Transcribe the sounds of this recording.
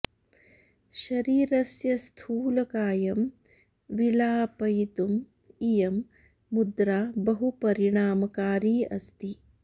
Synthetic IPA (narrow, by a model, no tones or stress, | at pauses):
ʃɐɾiːɾɐsjɐst̪ʰuːlɐkaːjɐm | ʋilaːpɐjt̪um | ijɐmː | ud̪ɾaːbɐɦupɐɾiɳaːmɐkaːɾiːɐ̰st̪i